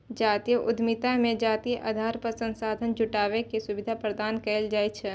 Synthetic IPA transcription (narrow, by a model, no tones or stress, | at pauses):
d͡ʒaːt̪ijəʔʊ̰d̪ʱmɪt̪amẽd͡ʒaːt̪ijʔa̰d̪ʱaːɾpəsə̃nsaːd̪ʱənd͡ʒʊʈaːʋekesʊbɪd̪ʱapɾəd̪aːnkɛld͡ʒaːet͡ʃʰ